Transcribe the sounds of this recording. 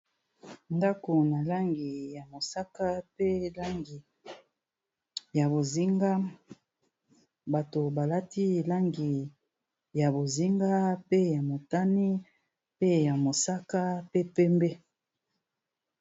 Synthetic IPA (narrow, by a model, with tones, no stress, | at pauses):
nda˦ko˨na˨la˦ŋɡi˨ja˨mo˨sa˦ka˦pe˦la˦ŋɡi˨ | ja˨bo˨zi˦ŋɡa˦ | ba˨to˨ba˨la˦ti˦la˦ŋɡi˨ | ja˨bo˨zi˦ŋɡa˦pe˦ja˨mo˨ta˦ni˦ | pe˦ja˨mo˨sa˦ka˦pe˦pɛ˦mbe˦